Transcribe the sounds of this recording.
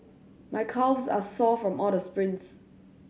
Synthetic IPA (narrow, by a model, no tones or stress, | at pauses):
maɪkʰavzasɔfɹɔ̃mɔldəspɹɪ̃ns